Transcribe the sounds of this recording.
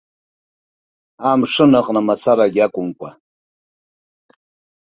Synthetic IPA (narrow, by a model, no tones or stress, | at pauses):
amʂɨnɨqʼnamasaɾaɡʲakʷʼʊmkʷʼa